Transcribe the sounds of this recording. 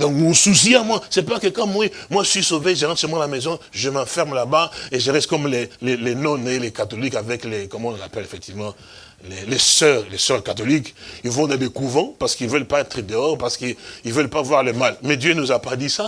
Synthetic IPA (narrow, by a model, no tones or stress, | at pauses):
d̪ɔ̃mɔ̃susiamwasɛpakəkɔ̃mmwimwaʒəsɥisoveʒəɑ̃səmɑ̃lamɛzɔ̃ʒəmɑ̃fɛʁmlabaeʒəʁɛst̪kɔmlɛlɛlɛnɔ̃nelɛkat̪ɔlikavɛklɛkɔmɔ̃napɛlefɛk̚t̪ivəmɑ̃ | lɛlɛsœʁlɛsœʁkat̪ɔlikilvɔ̃d̪ɛ̃dekuvɑ̃paʁsə̥kilvœlpaɛt̪χəd̪əɔʁpaʁsə̥kəilvœlpavwaʁləmalmɛd̪jønuzapad̪isa